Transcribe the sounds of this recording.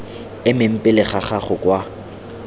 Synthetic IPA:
ɪmɪm̩pʼɪlɪχaχaχʊkʼwa

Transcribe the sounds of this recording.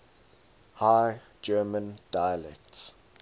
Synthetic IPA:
haɪd͡ʒɜːmə̃nd̥ajəlɛ̰k̚ts

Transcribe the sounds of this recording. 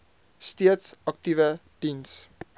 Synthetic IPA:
steətsɑk̚tivə | d̥ins

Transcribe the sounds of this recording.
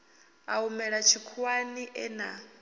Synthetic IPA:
aumɛɺat͡ʃʰikʰwaniʔɛna

